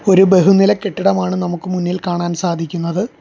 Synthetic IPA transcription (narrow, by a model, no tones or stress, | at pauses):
o̞ɾube̞ɦunilɐkːe̞ʈːiɽɐmaːɳɨnɐmukːɨmunːilkaːɳaːnsaːd̪ʱikʲːunːɐðɨ